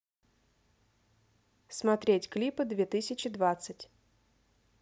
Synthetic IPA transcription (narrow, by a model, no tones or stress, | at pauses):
smat̪ɾʲetʲklʲipɨd̪vʲet̪ɨsʲɪt͡ɕɪd̪vat̪sɨtʲ